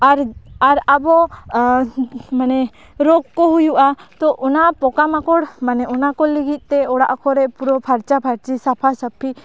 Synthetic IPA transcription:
aɾaɾabɔ | manɛ | ɾɔɡ̚kɔɦujuʔat̪ɔʔɔnapɔkamakɔɽmanɛɔnakɔliɡʱit̪̚ˀt̪ɛɔɽa̰ʔkɔɾɛʔpuɾɔpʰaɾt͡ʃapʰaɾt͡ʃisapʰasəpʰːi

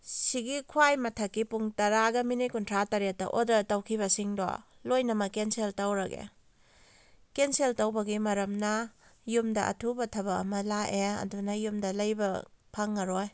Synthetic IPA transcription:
siɡikʰwajmɐtʰɐkːipuŋtɐɾaɡɐminikuntʰɾatɐɾet̚ːɐ̰ʔodɐtɐwkʰibɐsiŋdo̰ | lojnɐmɐkenseltɐwɾɐɡḛ | kenseltɐwbɐɡimɐɾɐmnɐjumdɐʔɐ̰tʰubɐtʰɐbɐɐ̰mɐlaʔeɐ̰dunɐjumdɐlɐjbɐpʰɐŋːɐɾoj

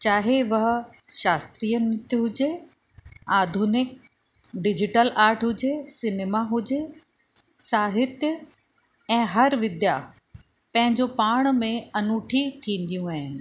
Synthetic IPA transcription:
t͡ɕaːɦeʋɐɦ̆ | ʃaːst̪ɾijənɪt̪ɦʊd͡ʑe | aːd̪ʱuːnɪk̚ | ɖɪd͡ʑɪʈəlaːɾʈɦʊd͡ʑesɪneːmaɦʊd͡ʑe | saːɦɪt̪jə | ɛ̃ːɦɐɾʋɪd̪ja | pɐ̃ɦɪ̃ɲd͡ʑopaːɽ̃mẽɐnuːʈʰit̪ʰĩːn̆d̪ijũaːɦɪnɪ̆

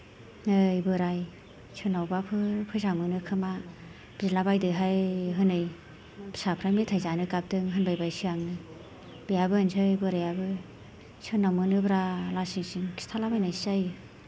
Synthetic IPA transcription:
ɯjbɯɾaj | sʰɯnawbapʰɯɾpʰɯzaŋmɯnɯkʰɯma | b̥izilabajdɯɦajɦɯnɯj | bsapʰɾajmitʰajzanɯkap̚dɯŋɦɯnbajbajsɯaŋnɯ | bijabɯɯnsʰɯjbɯɾajabɯ | sɯnamɯnɯbɾalasiŋsiŋkʰi̥stʰalabajnajsajɯ

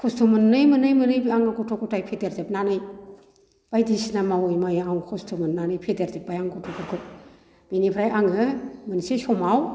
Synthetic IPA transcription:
kʰɔstʰumɯnːɯjmɯnɯjmɯnɯjbaŋɯɡɔtʰɔkʰɔtajpʰedeɾzepnanɯj | b̥ajdisnamawɯjmajawŋkʰɔstʰumɯnːanɯjpʰedeɾzep̚bajaŋɡɔtʰɔkʰɔɾkʰɯp̚ | b̥inipʰɾajaŋɯmɯnsesɔmaw

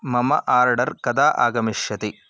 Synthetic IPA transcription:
mɐmɐ̰ʔaːɾɖɐɾkɐd̪aːʔa̰ːɡɐmiʃjɐt̪i

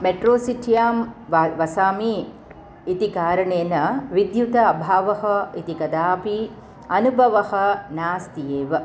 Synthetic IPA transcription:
meʈɾoːsiʈijaːmʋɐsaːmiː | t̪ikaːɾɐɳejnɐʋid̪jut̪ɐɐbʱaːʋɐɦɐit̪ikɐd̪aːpi | ɐnubʱɐʋɐhɐnaːst̪ijeːʋɐ

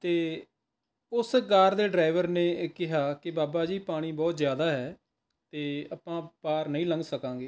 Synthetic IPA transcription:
t̪eː | ʊskaːɾd̪eːɖɾaːɪʋəɾneːkɪɦaːkɪbaːbaːd͡ʒiːpaːɽ̃iːbɔːt̪zjaːd̪aːɦɛː | t̪eːaːpãːpaːɾnəĩːləŋɡsəkãːɡeː

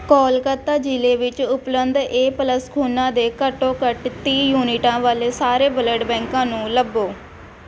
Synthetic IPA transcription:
kɔːlkət̪aːd͡ʒɪleːʋɪt͡ʃʊplənd̪eːpələskʰuːnãːd̪eːkəʈːõːkəʈt̪ĩːjuːniʈãːʋaːleːsaːɾeːbələɖbɛ̃ːŋkãːnũːləbːoː

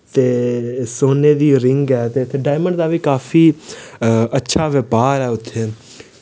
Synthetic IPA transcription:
t̪eːsoːneːd̪iːoːɾɪŋɡɛːt̪eːʊt̪ʰːeːɖaːɪməɳɖd̪aːʋiːkaːfʰiː | ətːʃʰaːʋeːpaːɾɛːʊt̪ʰːeː

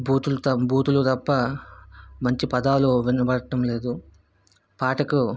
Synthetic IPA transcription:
bʱuːt̪ult̪ɐbʱuːt̪ulud̪ɐpːɐ | mɐɲt͡ʃipɐd̪aːluʋinɐbɐɽɐʈɐmle̞ːd̪u | paːʈɐku

